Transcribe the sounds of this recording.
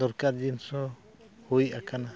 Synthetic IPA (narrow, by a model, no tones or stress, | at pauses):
d̪ɔɾkaɾd͡ʒinsɔ | hujakana